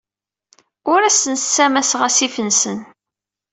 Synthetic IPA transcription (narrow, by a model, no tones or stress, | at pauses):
ʊɾæsənt͡sːæmæsʁæsifənsən